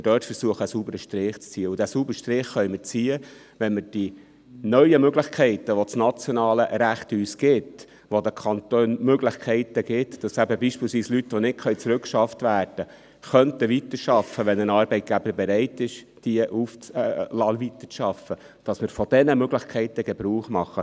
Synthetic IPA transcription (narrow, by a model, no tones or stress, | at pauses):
ɪdøːtfəɾsuəχəːsubəɾəʃtɾɪːχt͡st͡siːəudæsubəɾʃtɾɪχːœʏməɾt͡siːə | ʋɛnməɾd̥i | nœʏəmøɡlɪχkʰɛɪt̪əʋot͡snɑt͡sjɔnɑːləɾæχt̪yːsɡ̥ɪt | ʋod̪əkʰɑnt̪øːnmøɡlɪχkʰɛɪtəɡ̥ɪt̪d̥ɑsæbəbiːʃpiːlsʋiːslyt̪ːʋonɪt̚kʰχœɥt͡sɾʉkʃɑft̪ʋæːrd̥ə | χœntəʋit̪əɾʃɑfːəʋɛnənɑːɾbɛɪt̚ɡ̥æb̥əɾbɛɾɛɪtɪʃ | d̥iəʔuft͡slɑlvit̪ə̥t͡sʃɑfːə | d̥ɑsmɪɾfɔd̥ɛnəmøɡlɪχkʰɛɪt̪əɡ̥ɛbɾuːχmɑχːə